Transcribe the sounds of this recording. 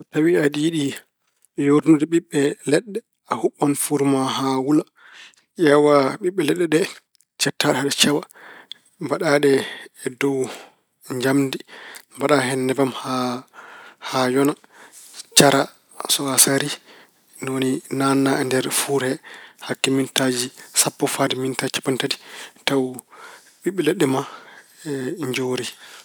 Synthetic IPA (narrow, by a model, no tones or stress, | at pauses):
tawiadiiɗi | joɾnudɛɓiɓːɛlɛɗːɛ | ahuɓːɔnfuɾmaɦawula | ʔɛwaɓiɓːɛlɛɗːɛɗɛ | t͡ʃɛtːaɗɛaɗɛt͡ʃɛwa | mbaɗaɗɛːdɔw | ɲd͡ʒamdimbaɗaɦɛnːɛbamha | hajɔna | t͡ʃaɾa | sɔasaɾi | noninanːaɛndɛɾfuɾhɛhakːɛmintad͡ʒisapːɔfadimintat͡ʃḁpantadi̥taw | ɓiɓːɛlɛɗɛma | ɲd͡ʒoɾi